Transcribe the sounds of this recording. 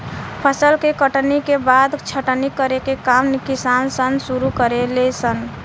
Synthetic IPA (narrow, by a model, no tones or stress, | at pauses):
pʰəsəlkekəʈnikebad̪t͡ʃʰəʈnikəɾekekamnikisansənsuɾukəɾelesən